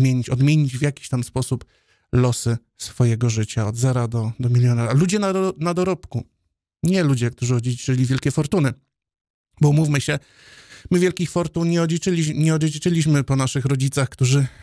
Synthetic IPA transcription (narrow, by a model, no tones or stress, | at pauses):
mʲjeɲit͡ɕɔd̪mʲjeɲid͡ʑvjakʲi̥ɕt̪amspɔsup | lɔsɘ | sfɔjɛɡɔʐɘt͡ɕaɔd̪zɛɾad̪ɔd̪ɔmʲilʲjɔnaɾalud͡ʑɛnanad̪ɔɾɔpku | ɲɛlud͡ʑɛkt̪uʐɘɔd͡ʑet͡ʂɘlʲivʲjɛlkʲɛfɔɾt̪unɘ | bɔmufmɘɕɛ | mɘvʲjɛlkʲixfɔɾt̪unɲɛɔd͡ʑit͡ʂɘlʲiɲɛɔd͡ʑɛit͡ʂɘlʲiɕmɘpɔnaʂɘxɾɔd͡ʑit̪saxkt̪uʐɘ